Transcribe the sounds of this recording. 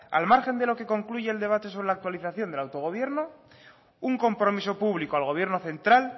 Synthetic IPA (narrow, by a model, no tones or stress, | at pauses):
a̰lmaɾxe̞nd̪e̞lo̞ke̞ko̞ŋkluʝe̞ːld̪e̞β̞at̪eso̞β̞ɾelak̚t̪waliθaθjo̞nd̪elawt̪o̞ɣ̞o̞βje̞ɾno | uŋko̞mpɾo̞miso̞puβlikoalɣ̞o̞βje̞ɾnoθe̞nt̪ɾal